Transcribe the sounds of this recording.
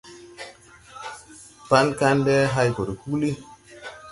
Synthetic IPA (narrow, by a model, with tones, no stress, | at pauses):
pa˦nka˦ndɛ˦ɦa˦jko˨ɾhu˦li˦